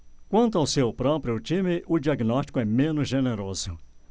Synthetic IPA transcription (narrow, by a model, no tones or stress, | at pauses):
kwɐ̃nt̪ʊawsewpɾɔpɾiʊt͡ʃĩmɪʔʊd͡ʒiaɡnɔst͡ʃi̥kʊɛmẽnʊzʒeneɾozʊ